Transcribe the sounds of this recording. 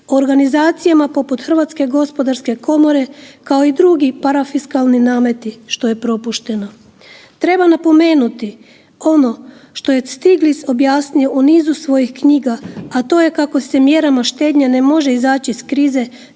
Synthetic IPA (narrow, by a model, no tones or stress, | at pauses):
ooɾɡanizaːt̪sijamapo̞put̪xr̩ʋat̪ske̞ɡo̞spo̞d̪aɾske̞ko̞mo̞ɾe̞kao̞id̪ɾuɡipaɾafiskalninaːme̞t̪iʃt̪o̞je̞pɾo̞puʃt̪e̞no̞ | t̪ɾe̞banapo̞me̞ːnut̪i | o̞no̞ʃt̪o̞je̞st̪iɡliso̞bjaːsnijoʔuniːzusʋo̞jixkɲiːɡaːt̪o̞ːje̞kako̞se̞mje̞ɾamaʃt̪e̞ːd̪ɲanemo̞ʒe̞izaːt͡ɕiskɾiːze̞